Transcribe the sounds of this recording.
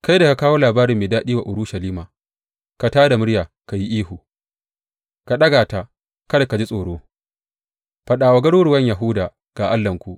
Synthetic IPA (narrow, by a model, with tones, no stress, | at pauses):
ka˦jda˨ka˨kaː˦woː˦laː˨baː˦ɾɪ˨mːeː˨daː˦ɗiː˦wa˨ʔʊ˨ɽu˦ʃɐ˨liː˦maː˨ | ka˨taː˦da˨mʊ˦ɽjaː˨ | ka˨ji˦ʔiː˦hu˨ | ka˨ɗɐ˦ɡaː˨ta˨ | kɐ˦da˨ka˨d͡ʒi˦sʼoː˨ɽoː˦ | ɸɐ˨ɗaː˨wa˨˦ɡɐ˦ɽuː˦ɽu˨wɐ˦ɲja˨ɦʊ˦daː˨ | ɡ̥aː˨ʔa˦lːɐ˨ŋkʷu˦ʔ